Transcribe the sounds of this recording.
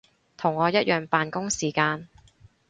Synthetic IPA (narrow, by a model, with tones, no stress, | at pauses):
t̪ʰʊ˨˩ŋːɔː˨˧jɐ˥t̚jʔœː˨ŋpaː˨nkʊ˥ŋsiː˨˩kaː˧n